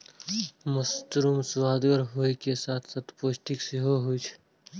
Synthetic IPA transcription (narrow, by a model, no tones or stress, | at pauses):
məst̪ɾuːmswaːd̪ɡəɾɦoːikesaːt̪ʰsat̪poːsʈɪksɪɦoɦuit͡ʃʰ